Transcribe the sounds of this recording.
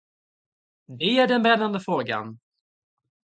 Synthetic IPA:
d̪ɛæɖɛnbɾɛnːand̪əfɾoːɡa̰n

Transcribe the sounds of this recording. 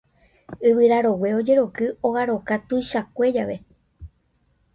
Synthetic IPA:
ɨβɨɾaɾo̞we̞o̞d͡ʒe̞ɾo̞kɨoɣaɾo̞kat̪ujʃakʷe̞d͡ʒaʋe̞

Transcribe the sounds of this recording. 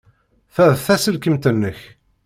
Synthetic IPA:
θæðθæsəlkəmt̪ənːəç

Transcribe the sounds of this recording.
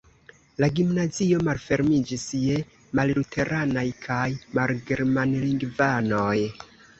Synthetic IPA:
laɡimnazio̞malfe̞ɾmid͡ʒisje | mallutʰe̞ɾʔanajkʰajmalɡe̞ɾmanliŋɡvano̞j

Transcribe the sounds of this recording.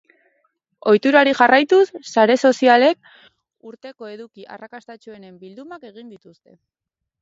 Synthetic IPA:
o̞jt̪uɾaɾiʝarajt̪usːaɾe̞so̞siale̞k̚ | uɾt̪e̞ko̞e̞ðukiʔa̰rakast̪at͡ʃue̞ne̞mbild̪umake̞ɣ̞ind̪it̪ust̪e̞

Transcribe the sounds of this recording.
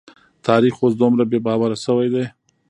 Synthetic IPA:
t̪ʰɑɾixwosd̪umɾabebɑwaɾasəwajd̪aj

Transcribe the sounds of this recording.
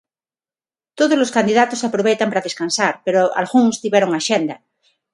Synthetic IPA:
t̪oðozloskand̪iðat̪osapɾoβ̞ejt̪ampaɾaðeskansaɾpeɾoa̰lɣuŋst̪iβjeɾoŋaʃend̪a

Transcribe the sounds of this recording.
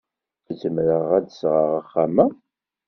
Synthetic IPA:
zəmɾəʁæd̪əsʁəʁəχːamæ

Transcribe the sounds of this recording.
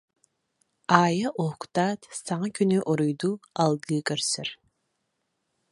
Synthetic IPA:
aːjaʔokt̪aːt̪saŋakynyʔoɾujd̪ualˠɡɯkœɾsɛɾ

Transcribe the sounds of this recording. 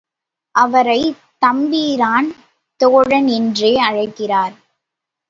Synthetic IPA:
ʔɐʋɐɾɐɪ | t̪ɐmbiːɾaːn | t̪oːɻɐnɪndreːɐɻɐɪkːɪraːɾ

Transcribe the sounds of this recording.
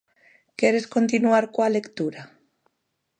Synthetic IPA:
kɛɾeskont̪inuaɾkoalekt̪uɾa

